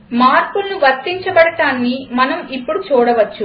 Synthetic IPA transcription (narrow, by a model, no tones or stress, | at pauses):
maːɾpulnuʋɐɾt̪ːiɲt͡ʃɐbɐɽɐʈaːnːimɐnɐmipːuɽut͡ʃuːɽɐʋɐt͡ʃːu